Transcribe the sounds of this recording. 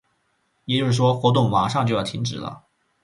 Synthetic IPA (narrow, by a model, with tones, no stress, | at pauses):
jɛ˨˩t͡ɕjo˥ʊʂɻ̩˥˩ʂwɔ˥xwɔ˧˥t̪ʊ˥˩ŋma˨˩ʂɑ˥˩ŋt͡ɕo˥˧jɑ˥˩t̪ʰi˧˥ŋʈ͡ʂɻ̩˨˩lə̰˧˦